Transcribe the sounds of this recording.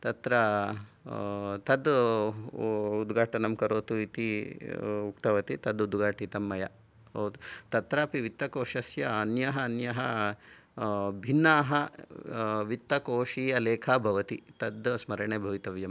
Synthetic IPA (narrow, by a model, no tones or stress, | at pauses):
t̪ɐt̪ɾɐ | t̪ɐd̪ | ud̪ɡaːʈɐnɐmkɐɾoːt̪uit̪i | ukt̪ɐʋɐt̪it̪ɐd̪ud̪ɡaːʈit̪ɐmːɐjɐ̰ | t̪ɐt̪ɾaːpiʋit̪ːɐkoːʂɐsjɐɐnjɐɦɐːnjɐɦɐ | bʱinːaːɦɐ | ʋit̪ːɐkoːʂiːɐleːkʰɐːbʱɐʋɐt̪it̪ɐd̪smɐɾɐɳeːbʱɐʋit̪ɐʋjɐm